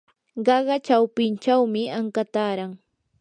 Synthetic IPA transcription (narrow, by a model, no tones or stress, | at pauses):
ɢɑɢɑt͡ʃawpɪnt͡ʃawmɪaŋkat̪aːɾaŋ